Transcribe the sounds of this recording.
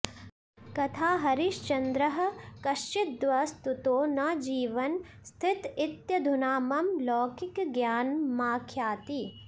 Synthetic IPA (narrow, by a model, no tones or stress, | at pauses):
kɐt̪ʰaːɦɐɾiʃt͡ʃɐnd̪ɾɐɦɐ̆kɐʃt͡ʃit̪̚d̪ʋɐst̪ut̪oːnɐd͡ʒiːʋɐn | st̪ʰit̪it̪jɐd̪ʱunaːmɐmlɔːkikɡjaːnmaːkʰjaːt̪i